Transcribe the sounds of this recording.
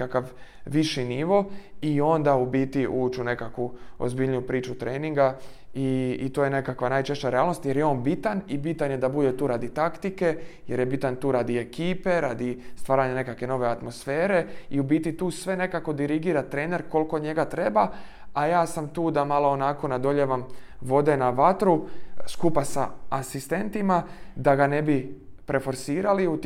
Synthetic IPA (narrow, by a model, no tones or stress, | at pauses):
kakaʋːiʃiniʋo̞io̞nd̪aubiːt̪iʔuːt͡ʃune̞kakʋuo̰zbiʎijupɾiːt͡ʃut̪ɾʔeːniŋɡaiːt̪oːjene̞kakʋanaːjt͡ʃe̞ʃt͡ɕaɾeaːlnost̪je̞ɾjeo̞ːnbit̪anibit̪anjed̪abud̪e̞t̪uːɾaːd̪it̪akt̪ike̞je̞ɾje̞bit̪ant̪uːɾaːd̪ie̞kiːpe̞ɾaːd̪ist̪ʋaːɾaɲane̞kakʋe̞no̞ʋe̞at̪mo̞sfeːɾe̞iubit̪it̪uːsʋe̞ne̞kako̞d̪iɾiɡiːɾat̪ɾe̞ːne̞ɾko̞lko̞ɲe̞ɡat̪ɾe̞ba | ajaːsamt̪uːd̪amalˠo̞ːnako̞nad̪o̞ʎeʋamʋo̞d̪e̞naʋat̪ɾuskupasa̰asist̪e̞nt̪imad̪aɡane̞bipɾe̞fo̞ɾsiːɾaliut̪